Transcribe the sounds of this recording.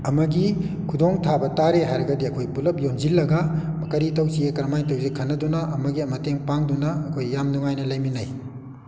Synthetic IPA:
ɐmɐɡi | kʰudoŋtʰabɐtaɾeɦajɾɐɡɐdiɐkʰojpulɐp̚jonzilːɐɡɐmɐkɐɾitɐwsiekɐɾmajtɐwzikʰɐnːɐdunɐʔɐmɐɡiɐmɐteŋpaŋdunɐːkʰojːamnuŋajnɐlɐjminɐj

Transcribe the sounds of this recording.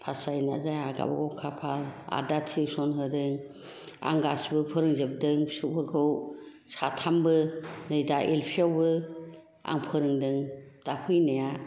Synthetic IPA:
pʰasajna̰zajaɡa̰baɡɔwkʰapʰala̰datʰiwsɔnɦɯdɯŋ | a̰ŋɡasbɯpʰɯɾɯŋzɯp̚dɯŋsɯpʰɯɾkʰɯw | satʰambɯnɯjdaʔelpʰiawbɯ | a̰ŋpʰɯɾɯŋdɯŋd̥apʰɯjnaja

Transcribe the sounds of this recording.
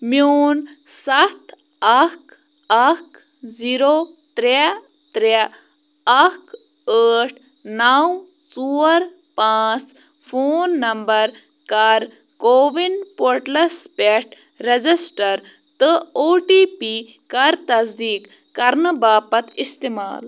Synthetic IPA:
mjoːn | sɐt̪ | ɐk | ɐk | ziːɾoːt̪ɾe | t̪ɾe | ɐk | əːʈʰ | naw | t͡suːɾ | paːt͡s | fʰoːnːɐmbɐɾ | kɐɾ | koːʋinɖpoɾʈlɐspeʈ | ɾed͡zisʈɐɾ | t̪ɨoːʈiːpi | kɐɾt̪ɐzd̪iːkː | ɐɾnɨbaːpɐt̪ist̪ema̰ːl

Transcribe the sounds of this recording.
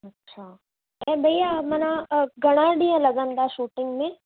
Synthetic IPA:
ɐtːʃʰaː | ɛ̃bʱɐjamɐnaɡɐɽ̃ãɖiãlɐɡənd̪aʃuːʈɪ̃ŋɡmẽ

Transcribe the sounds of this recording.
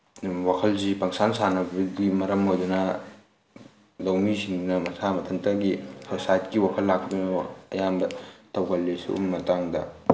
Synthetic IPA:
wakʰɐlzipɐŋsansanɐbɐɡimɐɾɐmɦojdɐnɐ | lɐwmisiŋdunɐmɐsʰamɐtʰɐŋtɐɡihʰɐsajtkiwakʰɐlːak̚dunɐɐ̰jambɐtɐwɡɐlːesṵṵmmɐtaŋdɐ̰

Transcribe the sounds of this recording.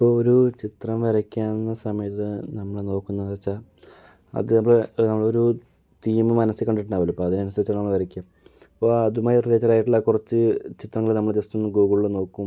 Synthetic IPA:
ipːooɾut͡ɕit̪rɐmʋɐɾɐkʲːaːnnːɐsɐmɐjɐt̪ːɨnɐmːɐɭeno̞ːkːunːɐʋɐrɐt͡ɕːaː | ɐ̰ðɐmːɐɭnɐmːɐɭeoɾu | t̪iːmɨmɐnɐsɨkɐɳɖiʈːnaːʋɐlupːoːɐðinɐnɐsɐɾɐt͡ɕːɐnɐmːɐɭʋɐɾɐkʲːuaːm | ipːoːɐðumaːjreːt͡ɕːɐɾaːjiʈːuɭːakurɐt͡ɕːɨt͡ɕit̪rɐŋːɐɭenɐmːɐɭed͡ʑest̪unːɡoːɡɐɭuɭːɐno̞ːkːum

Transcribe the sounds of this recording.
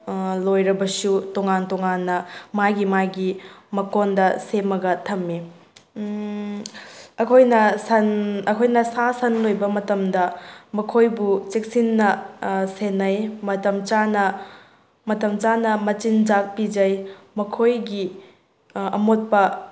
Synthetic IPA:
lojɾɐbɐsutoŋantɔŋanːɐmajɡimajɡimɐkondɐsemɐɡɐtʰɐmːi | ɐkʰojnɐsɐnɐkʰojnɐsasɐnlojbɐmɐtɐmdɐmɐkʰojbut͡ʃek̚sinːɐsenɐjmɐtɐmt͡ʃanɐ | mɐtɐmt͡ʃanɐmɐt͡ʃind͡ʒak̚pid͡ʒɐj | mɐkʰojɡi | ɐ̰mot̚pɐ

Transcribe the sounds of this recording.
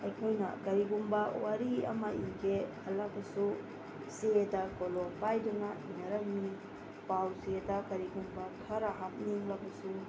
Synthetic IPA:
ɐjkʰojnɐ̰kɐɾiɡumbɐwaɾiɐ̰maḭŋɡeɐlak̚bɐsu | sedakolɔpajdunainɐɾɐŋmi | pawsedɐkɐɾiɡumbɐtʰɐɾaɦap̚niŋlak̚bɐsu

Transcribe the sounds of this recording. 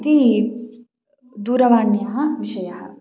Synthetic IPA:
t̪i | d̪uːɾɐʋaːɳjɐɦɐʋiʃɐjɐhɐ̰

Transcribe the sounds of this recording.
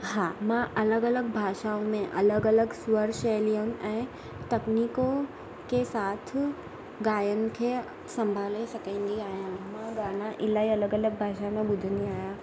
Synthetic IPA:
haːmãʔɐləɡɐləɡbʱaːʃãmẽʔɐləɡɐləɡsʋəɾʃɛːliənɪ̆ʔɛ̃ː | t̪ɐkniːko | kesaːt̪ʰ | ɡaːjənɪ̆kʰeː | sɐ̃mbʱaːlesɐkʰə̃ːn̆d̪iaːɦijãmãɡaːnãʔɪlaːiɐləɡɐləɡ̚bʱaːʃamẽɓʊd̪ʱə̃nd̪iaːɦijã

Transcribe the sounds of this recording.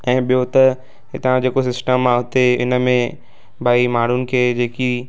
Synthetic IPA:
ɛ̃ːɓijot̪ɐ | ɦɪt̪ãd͡ʑeːkosɪsʈəmaɦʊt̪eɪ̰nə̆mẽ | bʱaːimaːɽ̤ʊnɪ̆kʰeːd͡ʑeːki

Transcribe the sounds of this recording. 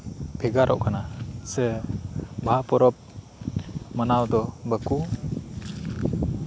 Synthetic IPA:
pʰɛɡaɾʔɔ̰ʔkanasɛ | bʱapɔɾɔp̚ | manawd̪ɔbəku

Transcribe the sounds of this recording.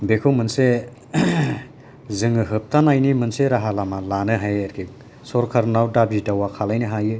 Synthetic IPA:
bekʰowmɯnse | zɯŋɯɦɯp̚tʰanajnimɯnseɾaɦalamalanɯɦajɐɾɡʰi | sɔɾkʰaɾnawdabidawakʰalajnɯɦajɯ

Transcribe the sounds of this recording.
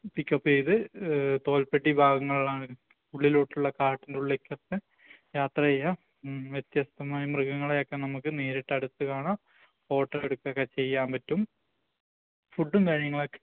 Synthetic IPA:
pikːopːeːðɨt̪o̞ːlpeʈːibʱaːɡɐŋːɐɭlaːɳɨ | uɭːiluːʈːuɭːɐkaːʈːinduɭːekʲːɐt̪ːɨ | jaːt̪rɐjɐ | ʋjet̪jɐst̪ɐmaːjɐmrɨɡɐŋːɐɭejokːenɐmukːɨneːɾiʈːɐɽut̪ːɨkaːɳaː | fo̞ːʈːɐreɽukːɐkːɐt͡ɕe̞jːaːmpɐtːum | fuɖːumkɐɻiɲɐŋːɐɭokːe

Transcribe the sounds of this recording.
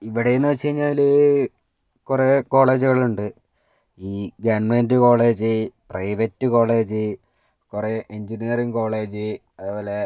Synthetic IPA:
iʋiɽejunːɐt͡ɕe̞jɲːaːlɨ | kure̞ko̞ːɭe̞ːd͡ʑuɣɐɭuɳɖɨ | iːɡɐɳmendɨko̞ːɭe̞ːd͡ʑɨprɐjʋɐtːɨko̞ːɭe̞ːd͡ʑɨ | kure̞ʔeɲd͡ʑinijɐrimko̞ːɭe̞ːd͡ʑɨ | ɐðɨpoːle̞

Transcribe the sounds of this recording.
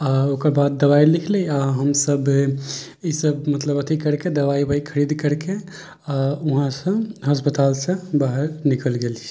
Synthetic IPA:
aokəɾbad̪̚ːəwailikʰlejaɦəmsəb | isəbmət̪ləbət̪ʰikəɾked̪əʋaibʱəikʰəɾid̪kəɾke | auɦãsə̃ɦəspət̪alsə̃baɦeɾnikəlɡelt͡ʃʰ

